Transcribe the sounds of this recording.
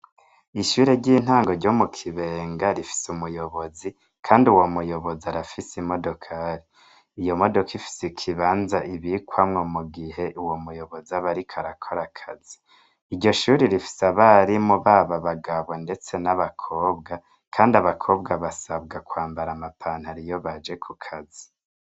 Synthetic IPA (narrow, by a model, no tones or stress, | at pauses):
iʃuːɾeɟiːn̥haːŋɡo̞ɾɟo̞mukʰiβe̞ːŋɡaɾifi̥sumujo̞βo̞zi | kʰaːndiuwomujo̞βo̞ziaɾafisimo̞do̞kʰaɾiː | jo̞mo̞do̞kifi̥sekʰiβaːnzaʔiβikwamŋomuɡihe̞ʔuwo̞mujo̞βo̞ziaβaɾikʰaɾakʰo̞ɾakʰaz̥i | iɾɟo̞ʃuːɾiɾifi̥saβaɾimuβaβaβaɡaβonde̞t͡se̞naβakʰoːbɡa | kʰaːndiaβakʰo̞ːbɡaβasabɡakwaːmbaɾamapʰan̥haɾijo̞βad͡ʒe̞kʰukʰazi̥